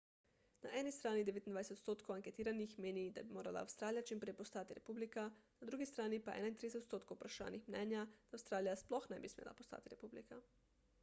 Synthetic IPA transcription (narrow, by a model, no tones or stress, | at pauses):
naʔɛːnist̪ɾaːnid̪eeːt̪ind̪ajset̪ot̪st̪oːt̪kʰowaŋket̪iːɾanixmeːnid̪a̰bimoːɾala̰ːwst̪ɾaːlijat͡ʃimpɾejpost̪aːt̪iɾepublikanad̪ɾuːɡist̪ɾaːnipaʔɛ̰ːnaint̪ɾideset̪t̪st̪oːt̪̚kowupɾaʃa̰ːnixmnɛːnjad̪aːwst̪ɾaːlijasploxnɛbismjḛːlʔa̰post̪a̰ːt̪iɾepublḭka